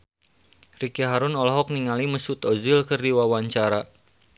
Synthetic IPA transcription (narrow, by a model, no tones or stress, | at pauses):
rikiɦaɾʊnɔlɔɦɔk̚niŋaliməsut̪ɔzɪlkɨrdiwawaɲt͡ʃaɾa